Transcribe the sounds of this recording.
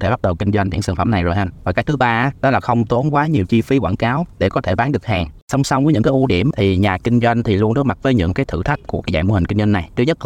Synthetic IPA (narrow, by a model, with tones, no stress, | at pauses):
t̪ʰe˧˩ɓa˦˥t̚ɗə˨˩wkï˧ŋ̟zwa˧jŋḭ˧˥sːŋfa̰˧˩mna˨˩jzo˨˩jhə˧nvaː˨˩kaː˨˦˥j̚t̪ʰɨ˨˦ɓaː˧aː˨˦ɗɔ˨˦laː˨˩xə˧wŋ͡mt̪o˨˦nkwaː˨˦ɲi˨˩əwt͡ɕi˧fi˨˦kwaː˧˩nkaː˨˦wɗe˧˩kɔ˨˦t̪ʰe˧˩ɓaː˨˦nɗɨ˨˩k̚haː˨˩ŋsa˧wŋ͡msa˧wŋ͡mvəː˨˦ɲɨ̰˧˥kːʔu˧˦ɗi˧˩əmt̪ʰi˨˩ɲaː˨˩kï˧ŋ̟zwa˧jŋ̟t̪ʰi˨˩lu˧ənɗɨ˦˥kma˨˩t̚vəː˨˦jɲɨ̰˧˥ŋkaː˨˦jt̪ʰɨ̰˧˩t̪ʰa˦˥jk̟̚ku˧˩əkaː˨˦jza̰ː˧˨˩mo˧hi˨˩ŋki˧ŋ̟za˧nːa˨˩jt͡ɕɲə˦˥t̚l